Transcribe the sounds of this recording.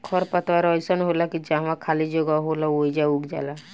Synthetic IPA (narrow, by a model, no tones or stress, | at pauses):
kʰɔɾpət̪waɾɔjsənɦolakid͡ʒãmãkʰalid͡ʒoɡaɦolaoid͡ʒauɡd͡ʒa̰la